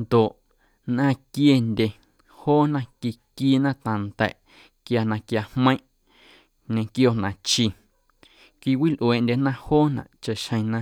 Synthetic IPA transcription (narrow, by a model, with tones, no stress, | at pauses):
nd̪o˨ʔ | nʔã˦˨kje˧ndʲe˧ | hoː˦nã˦ki˧kiː˦nã˦t̪ã˨nt̪ɛ̰˨ʔ | kja˧nã˧kja˧hmə̃˦ʔ | ɲẽ˧kjo˧nã˨t͡ʃi˧ | kʷi˧kwi˦lʔweː˨ndʲe˧nã˦hoː˦nã̰˨ʔt͡ʃa˧˨ʔʃhə̃˧j̃nã˧